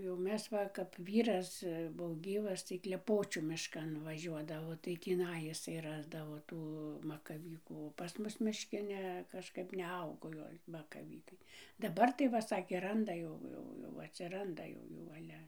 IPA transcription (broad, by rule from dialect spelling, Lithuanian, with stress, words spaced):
jɛʊ ˈmʲɛs ʋɐ kɐp ˈʋʲiːrɐs ˈbuɔ ˈɡʲiːʋɐs tɐɪ klʲɛˈpoːt͡ʃʲuː mʲɪʃˈkɐn ʋɐˈʒʲuɔdɐʋoː tɐɪ tʲiːˈnɐɪ ɪˈsɐɪ ˈrɑːzdɐʋoː ˈtuː mɐkɐˈʋʲiːkuː oː pɐs ˈmʊs mʲɪʃʲˈkʲɪ ˈnʲɛ kɐʃˈkɐp nʲɛˈɐʊɡoː ˈɡɐlʲ mɐkɐˈʋʲiːkɐɪ dɐˈbɐr tɐɪ ˈʋɐ ˈsɑːkʲeː ˈrɐndɐ jɛʊ ˈjɛʊ jɛʊ ɐtʲsʲɪˈrɐndɐ ˈjɛʊ ˈjuː ˈɑːlʲɛ